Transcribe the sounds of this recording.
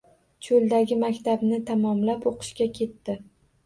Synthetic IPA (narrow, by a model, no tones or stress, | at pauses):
t͡ʃʰold̪aɡʲɪmakʲt̪abnɪt̪ʰamɒmlapoqʰɨ̥ʃkʲakʲʰe̞t̪ːɪ